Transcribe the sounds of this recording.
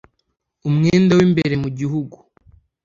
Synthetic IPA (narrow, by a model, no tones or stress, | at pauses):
umŋeːndawimbeɾe̞muɟiɦuɡu